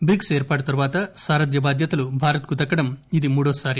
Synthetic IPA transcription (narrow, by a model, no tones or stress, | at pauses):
bikseːɾpaːʈɐt̪ɐɾʋaːt̪ɐsaːɾɐd̪jɐbaːd̪ʱjɐt̪ɐlubʱaːɾɐt̪kut̪ɐkːɐɽɐmid̪imuːɽoːsaːɾi